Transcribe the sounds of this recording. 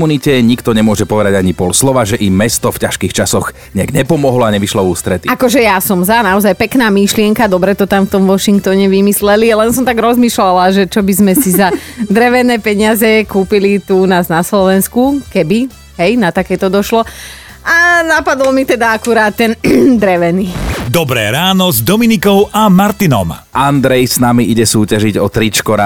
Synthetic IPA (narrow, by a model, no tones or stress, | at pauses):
municɛɲikt̪ɔɲɛmʊɔʒɛpɔʋɛd̪aɟaɲipɔlslɔʋaʒɛʔimɛst̪ɔfcaʃkiːxt͡ʃasɔɣ | ɲɛaɡɲɛpɔmɔɦlɔaɲɛʋiʃlɔuːst̪ɾɛt̪iakɔʒɛjasɔmzanaɔzajpɛknaːmiʃlɪɛŋkad̪ɔbɾɛt̪ɔt̪aɱft̪ɔmʋɔʃiŋk̚t̪ɔɲɛʋimislɛlialɛnsɔmt̪aɡɾɔzmiːʃlalaʒɛt͡ʃɔbizmɛsizad̪ɾɛʋɛnɛːpɛɲɪazɛkuːpilit̪uunaːznaslɔʋɛnskukɛbi | ɦɛjnat̪akɛːt̪ɔd̪ɔʃlɔ | ʔanapad̪lɔmit̪ɛd̪aakuɾaːt̪ːɛnd̪ɾɛʋɛniːd̪ɔbɾɛ̰ːɾaːnɔzd̪ɔminikɔʊʔamaɾt̪inɔ̰mʔand̪ɾɛjsnamiʔiɟɛsuːcaʒiɟɔt̪ɾit͡ʃkɔɾa̰